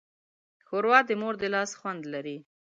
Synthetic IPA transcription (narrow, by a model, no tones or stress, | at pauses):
xoɾwɑd̪əmoɾd̪əlɑsxwand̪laɾi